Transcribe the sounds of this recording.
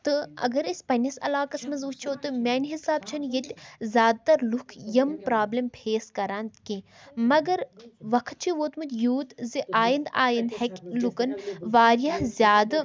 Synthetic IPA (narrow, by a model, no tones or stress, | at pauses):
t̪ɨɐ̰ɡɐɾisʲpɐnʲɐsɐ̰laːkɐsmɐzut͡ʃʰoːt̪ɨmʲeːnʲɦisaːb̚t͡ʃʰɐnjet̪ʲzʲjaːd̪̚t̪ɐɾlukʰjɐmpɾaːblɐmpʰeːskɐɾaːnt̪kĩ | mɐɡɐɾʋɐkʰt̪̚t͡ʃʰiʋoːt̪mut̪ʲjuːt̪ziʔaːjind̪aːjind̪hekʲlukɐnʋaːɾjɐhzʲjaːd̪